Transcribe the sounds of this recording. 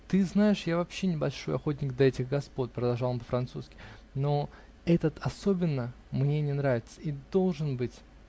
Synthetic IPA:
t̪ɨznaɪʂjavɐpɕːenʲɪbɐlʲʂojɐxot̬ʲnʲɪɡd̪ɐɛtʲɪxɡɐspo̞t̪̚ʲpɾəd̪ɐlˠʐɑlˠənmpəfɾɐnt̪suskʲɪ̥ | no | ɛt̪ət̪ɐso̞bʲɪnːə | mnʲe̞nʲɪnɾavʲɪt̪sə̥id̪o̞lˠʐɨnbɨtʲ

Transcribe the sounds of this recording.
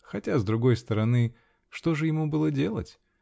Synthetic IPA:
xɐtʲazd̪ɾʊɡo̞jst̪əɾɐnɨ | ʂt̪o̞ʐɨjɪmubɨlˠədʲe̞lˠə̰tʲ

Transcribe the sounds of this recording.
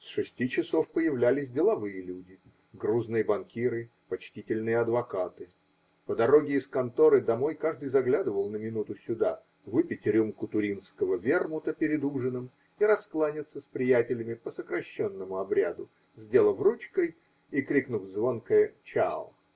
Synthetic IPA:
sʂɨsʲtʲit͡ɕɪso̞fpəjɪvlʲælʲɪsʲdʲɪlˠɐvɨjəlʲudʲɪ | ɡruznɨjəbɐnkʲiɾɨ | pɐt͡ɕtʲitʲɪlʲnɨjəɐd̪vɐkat̪ɨ | pəd̪ɐɾo̞ɡʲɪːskɐnt̪o̞ɾɨd̪ɐmo̞jkaʐd̪ɨjzɐɡlʲad̪ɨvəlˠnəmʲɪnut̪ʊsʲʊd̪a | vɨpʲɪtʲɾʲumkʊt̪ʊɾʲinskəvəvʲermʊt̪əpʲɪɾʲɪd̪uʐɨnɨm | iɾɐsklˠanʲɪt̪səspɾʲɪjætʲɪlʲɪmʲɪpəsəkɾɐɕːonːəmʊɐbɾʲad̪ʊ | zʲdʲe̞lˠəvrut͡ɕkəj | ikɾʲiknuvzvo̞nkəjət͡ɕaʊ

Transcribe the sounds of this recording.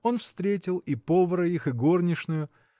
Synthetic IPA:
o̞nfst̪ɾʲetʲɪlˠipo̞vəɾəixɨɡornʲɪʂnʊjʊ

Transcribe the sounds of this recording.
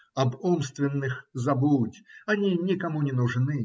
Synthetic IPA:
ɐbumst̪vʲɪnːɨxzɐbutʲɐnʲinʲikɐmunʲɪnʊʐnɨ

